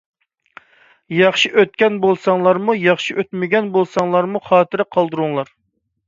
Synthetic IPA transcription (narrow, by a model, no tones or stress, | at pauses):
jɑχʃiʔøt̪̚kʲɛnbolˠsɑŋlˠɑɾmujɑχʃiʔøt̪mɪɡʲɛnbolˠsɑŋlˠɑɾmuχɑːt̪ʰɨɾɪqʰɑlˠd̪ɨɾuŋlˠɑɾ